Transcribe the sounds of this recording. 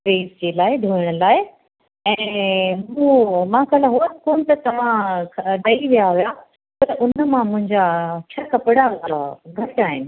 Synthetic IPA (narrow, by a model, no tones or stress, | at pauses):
ɾeːzd͡ʑeːlaːɪd̪ʱuːɪɽ̃ʊ̆laːɪ | ɛ̃ːmũːmãkʰəlaɦoːskoːnt̪ɐt̪ɐʋ̤ãɗɐiʋijaɦuja | pɐɾʊnəmãmʊ̃ɦɪ̃ɲd͡ʑat͡ɕʰɐkɐpɪɽaaɡʱɐʈaːɦɪnɪ̆